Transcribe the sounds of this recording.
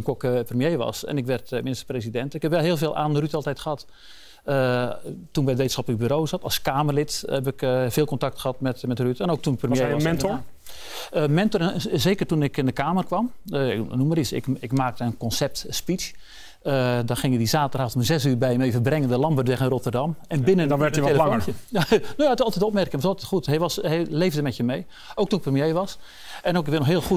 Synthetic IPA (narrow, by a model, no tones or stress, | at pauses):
ənkokəprəmjeːʋɑ̰sɛ̰nɪkʋɛrtminɪstə̥rpresidɛntɪkhɛpʋɛlˠɦɪːlˠveːlˠʔaːnrytɔlˠtɛjtxəhɑt | ətunʋɛjətʋetə̥nxɑplək̚byːɾoːsɑtɑlˠskaːmərlɪthɛp̬ɪkveːlˠkontak̚txəhɑtmɛtmɛtrytɛnowk̚tunprəmjemɛnɔ | mɛntɔrɛzeːkərtunɪkɪndəkaːmərkʋɑmnuməɾisɪ̰kɪkmaːk̚təənkɔnsɛp̚tspit͡ʃ | ədɔxɪŋədizaːtəraːtoməzɛsyːrbɛjəmeːvəbrɛŋəndəlɑmbərdʋɛχanrotərdɑmɛnbɪnənnʋɛrtəʋeləəəanoːjatɪsɑlˠtɛtop̬̚mɛrkɪŋʋɔsɑlˠtɛtxuthɛjʋɑshɛleːvdəmɛtjəmej | oːktunɪk̚prəmjeːʋɑs | ɛnowkɪkʋɪnɔxɦɪəlˠxu